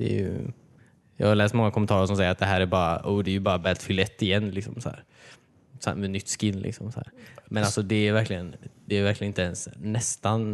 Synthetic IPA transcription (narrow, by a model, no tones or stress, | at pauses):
d̪̥ɛ̰jɵ̰ | jɑ̰ːhaɾlɛːst̪mɔŋːakʰʊmɛnʰɑːɾəʂ̬ɔmsɛjəɾat̪d̪ɛɦæːɾæɾbɑːɾa̰uːd̪ɛæjɵbɑːɾabɛːlt̪fʏlːaɛt̪ːɪjɛnːlɪksɔ̰msɔhæ̰ːɾ | smɛd̪nʏt̪ːskɪnːlɪ̰ksɔmsɔhæ̰ːɾmɛnalsɔd̪ɛæɾvæɾklɪɡənd̪ɛːvæɾkʰlɪənɪnt̪ɛnsːɛst̪an